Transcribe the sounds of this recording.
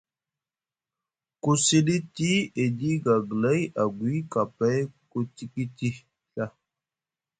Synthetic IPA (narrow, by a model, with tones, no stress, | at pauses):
ku˦si˦di˦ti˦e˨di˦ɡa˨ɡla˦ja˨ɡwi˨˦ka˨pa˦jku˦ti˦ki˦ti˦ | ɬa˦